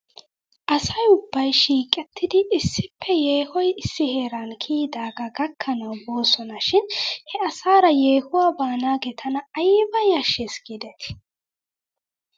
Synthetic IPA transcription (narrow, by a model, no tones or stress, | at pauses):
ʔɐsɐjʊbːɐjʃiːkʼɛt̪ːɪd̪ɪʔɪsːɪpʰːɛje̞ːhɔjɪsːɪhe̞ːɾɐnkʰiːd̪aːɡɐɡɐkʰːɐnɐwbo̞ːsɔnɐʃɪnhɛɐsaːɾɐjeːhʊwaːbaːnaːɡɛt̪ʰɐnɐɐjbɐjɐʃːesɡɪd̪ɛt̪ɪ̥